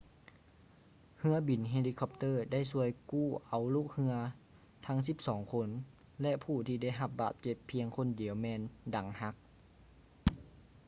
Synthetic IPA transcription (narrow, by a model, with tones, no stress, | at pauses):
hɯ˧˥ɐbi˨˦nɦe˧liː˧kʰɔ˧p̚t̪ɤː˧˩da˥˩jsu˧˩əjkuː˥˩ʔa˨˦wluː˧˥˩k̚hɯ˧ɐ | t̪ʰa˧˥ŋsi˧˦p̚sɔː˩˦ŋkʰo˧˥n | lɛ˧ʔpʰuː˧˩t̪ʰiː˧da˥˩jɦa˧p̚baː˨˩t̪̚t͡ɕe˧˩pʰːi˧əŋkʰo˧˥˨ndi˨˩˦əwmɛː˧˥nda˨˩˦ŋha˧˥k̚